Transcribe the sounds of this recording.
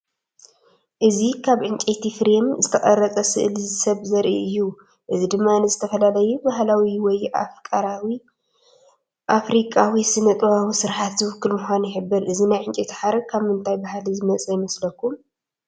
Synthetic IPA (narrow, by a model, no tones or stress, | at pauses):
ʔɨzikʰaβʕɨnt͡ʃʼet̪ʰifɾemzɨt̪ʰɐχʼɐɾɐt͡sʼɐsɨʔlɨzɨsɐβzɐɾʔḭɨjːu | ʔɨzid̪ɨmːanɨzɨt̪ʰɐfɐlalɐjubaɦlawiwɔjakʼaɾwi | ʔafɾikʼawisɨnɐt̪ʼwawisɨɾħat̪zɨwʊkːɨlmuxʷanjɪħɨbːɨɾʔɨzinajʕɨnt͡ʃʼet̪ʰħaɾɐkʰaβmɨnt̪ʰajbahlizɨmɐt͡sʼɐjɪmɐslɐkːum